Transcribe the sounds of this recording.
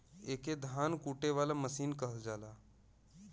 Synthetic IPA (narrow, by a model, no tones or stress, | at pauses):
eːked̪ʱaːnkuːʈeʋaːlaməsiːnkəɦəld͡ʒaːlaː